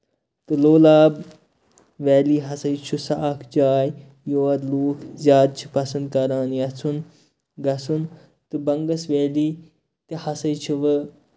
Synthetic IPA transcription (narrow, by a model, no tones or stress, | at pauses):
t̪ɨloːlaːb | ʋɛːliːɦɐsɐjt͡ʃʰusaʔɐkʰd͡ʒaːj | joːɐd̪luːkʰzʲjaːd̪̚t͡ʃʰi̥pɐsɐnd̪̚kɐɾaːnjɐt͡sʰun | ɡɐsun | t̪ɨbɐŋɡɐsʋeːli | t̪ihɐsɐjt͡ʃʰiʋɐ